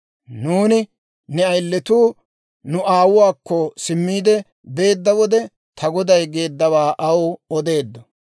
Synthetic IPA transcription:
nuːnɪ | nɛɐjlːɛt̪uː | nʊʔaːwʊwaːkːɔsɪmːiːd̪ɛ | be̞ːd̪ːɐwɔd̪ɛ | t̪ʰɐɡɔd̪ɐjɡe̞ːd̪ːɐwaːʔɐwɔd̪e̞ːd̪ːɔ

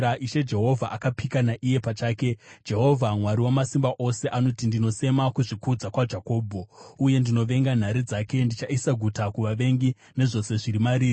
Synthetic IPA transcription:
aʔiʃe̞d͡ʒe̞ɦo̞vʱaʔakapikanaʔije̞pat͡ʃaːke̞d͡ʒe̞ɦo̞vʱamwaɾiwamasimbaʔo̞se̞ʔano̞tindino̞se̞makuʐikud͡zakwad͡ʒako̞ːbʱo̞uje̞ndino̞ʋe̞ŋɡan̤aɾid͡zake̞ndit͡ʃaisaɡʱutakuʋaʋe̞ŋɡi | ne̞ʐo̞se̞ʐiɾimaɾiːri

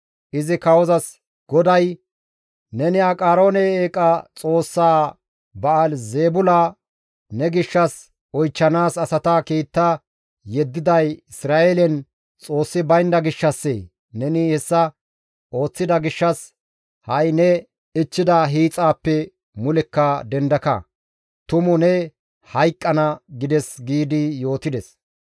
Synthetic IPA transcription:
ʔɪzɪkɐwɔzɐs | ɡ̥ɔd̪ɐj | nɛnɪɐkʼaːɾo̞ːnɛeːkʼaːt͡sʼo̞ːsːaː | bɐːlzeːbʊlaː | nɛɡɪʃːɐs | ɔjt͡ʃːɐnaːsɐsɐt̪aːkiːt̪ːaː | jɛd̪ːɪd̪ɐjɪsɾaːʔeːlɛn | t͡sʼo̞ːsːɪbɐjnd̪ɐɡɪʃːɐsːḛ | nɛnɪhɛsːɐ | o̞ːt͡sːɪd̪ɐɡɪʃːɐs | hɐjnɛ | ɪt͡ʃːɪd̪ɐɦiːt͡sʼaːpːɛ | mʊlɛkːɐd̪ɛnd̪ɐkɐ̰ | t̪ʊmʊnɛ | hɐjkʼːɐnɐɡɪd̪ɛsɡiːd̪ɪjo̞ːt̪ɪd̪ɛs

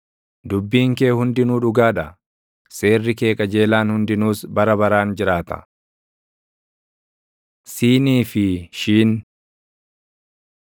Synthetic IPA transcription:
d̪ʊbːiːŋke̞ːhʊnd̪ɪnuːᶑʊɡaːᶑɐ | se̞ːrːɪke̞ːkʼɐd͡ʒe̞ːlaːnhʊnd̪ɪnuːsbɐɾɐbɐɾaːnd͡ʒɪɾaːt̪ɐ̥̰ | siːniːfɪʃiːn

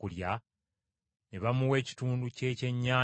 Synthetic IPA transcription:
kulja | neβamuwe̞ːci̥tuːnduce̞ːce̞ɲːaː

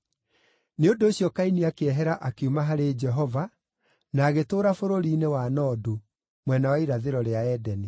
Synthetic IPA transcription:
neondoːɕjɔkainiakeɛɦɛɾaʔakeumaɦaɾed͡ʒɛɦɔva | naːɣetoːɾafoɾoɾiːnewanɔːdo | mwɛnawaiɾaðeɾɔɾeaɛdɛni

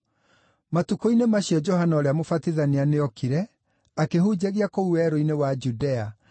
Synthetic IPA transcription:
matukoinemaɕiɛd͡ʒɔhanaɔɾeamofatiðanianeɔkiɾɛ | akehud͡ʑeɣiakouɛɾoinewad͡ʒudɛa

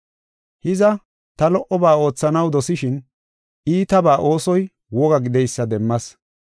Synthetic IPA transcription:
hɪzɐ | t̪ɐlɔʔɔbaːo̞ːt͡sːɐnɐwd̪ɔsɪʃɪn | ʔiːt̪ɐbaːʔo̞ːsɔj | wɔɡɐɡɪd̪ɛjsːɐd̪ɛmːɐs

